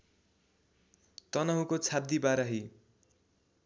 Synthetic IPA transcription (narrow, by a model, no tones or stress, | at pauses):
t̪ʌnʌɦũkot͡sʰab̚d̪ibaɾaɦi